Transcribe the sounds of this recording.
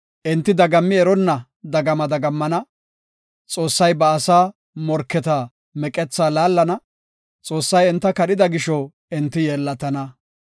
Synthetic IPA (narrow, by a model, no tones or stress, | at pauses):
ʔɪnt̪ːɪd̪ɐɡɐmːɪɛɾɔnːɐ | d̪ɐɡɐmɐd̪ɐɡɐmːɐnɐ | t͡sʼo̞ːsːɐjbɐːsaː | mɔɾkːɛt̪aː | mɛkʼɛt͡sːaːlaːlːɐnɐ | t͡sʼoːsːɐjɛnt̪ːɐkɐɗɪd̪ɐɡɪʃɔ | ɪnt̪ːɪjeːlːɐt̪ɐnɐ